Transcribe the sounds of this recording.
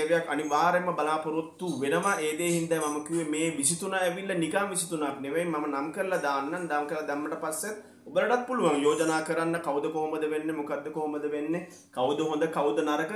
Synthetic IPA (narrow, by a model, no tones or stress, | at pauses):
eʋejakːaniʋaːɾeməbalaːpoɾut̪ːuʋenəmaʔeːd̪eːhind̪ɛjmaməkiuʋemeːʋisit̪unaːeʋilːɐnikaŋʋisit̪unaːpineʋeimːamənamkəɾlad̪aːnːand̪amkəɾlad̪ɛmːəʈəpasːet̪ | obələʈat̪̚puluʋaŋjoːd͡ʒənaːkəɾanːəkawd̪əkoɦoməd̪əʋenːemokad̪ːəkoɦoməd̪əʋenːe | kawd̪əɦõnd̪əkawd̪ənaɾəkə